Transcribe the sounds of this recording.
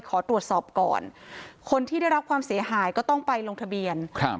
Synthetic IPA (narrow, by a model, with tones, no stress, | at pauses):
kʰɔː˩˦t̪ɾu˨˩ət̪̚sɔː˨˩p̚kɔ̰ː˨˩nkʰo˧nt̪ʰiː˥˩da˥˩jɾa˦˥p̚kʰwaː˧msi˩˦ɐɦaː˩˦jkɔː˥˩t̪ɔ˥˩ŋpa˧jlo˧ŋt̪ʰbi˧ənʰ˧